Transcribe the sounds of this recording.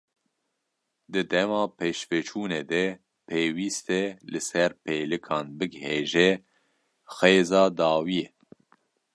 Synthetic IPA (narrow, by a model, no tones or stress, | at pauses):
d̪ɨd̪ɛmɑːpʰeːʃvɛt͡ʃʰuːneːd̪ɛ | pʰeːwiːst̪ɛlɨsɛɾpʰeːlɨkʰɑːnbɨɡheːʒɛ | xeːzɑːd̪ɑːwijɛ